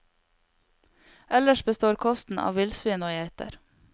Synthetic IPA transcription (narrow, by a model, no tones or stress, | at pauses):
ʔɛləʃbəst̪oːɾkʰɔst̪n̩ɑ̰ːʋɪlsʋiːnoːjæɪt̪ə̰ɾ